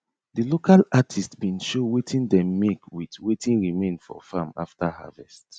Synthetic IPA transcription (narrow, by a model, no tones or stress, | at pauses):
dilokʰalatʰistbĩnʃowetʰĩndɛ̃mːekwitwetʰĩnɹimẽnfɔ̰fama̰ftaha̰vɛst